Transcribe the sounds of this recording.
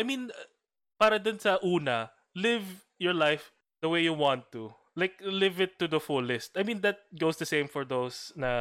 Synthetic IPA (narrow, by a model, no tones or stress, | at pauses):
ʔajmĩn | paːɾɐd̪ʊnsɐʔuːnɐ | lɪv | jɔɹlaɪf | d̪̥ɐwejjuwɑ̃nt̪ːu | laɪk̚lɪvɪt̪ːud̪ɐfʊlɪst̪ajmĩnd̪ɐt̪̚ɡoʊsd̪ɐsẽɪ̃mfɔɹd̪osnɐ